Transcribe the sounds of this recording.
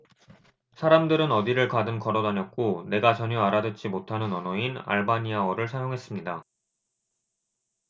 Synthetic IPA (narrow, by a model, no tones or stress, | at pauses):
sʰaɾamdɯɾɯnʌdiɾɯɭkadɯnkʌɾʌdaɲʌk̚k͈one̞ɡat͡ɕʌɲʌaɾadet̚t͡ɕ͈imotʰanɯnʌnʌina̰ɭbaɲiawʌɾɯɭsʰajoŋɦe̞s͈ɯmɲida